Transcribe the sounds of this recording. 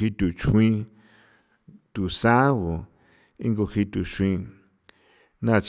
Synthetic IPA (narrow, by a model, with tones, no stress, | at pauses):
i˧t̪u˨t͡ʃʰĩ˧ | t̪u˨sã˦wo˨ | ĩ˦ŋɡo˧hi˧t̪u˨ʃwĩ˧ | nã˦˧˨t͡ʃ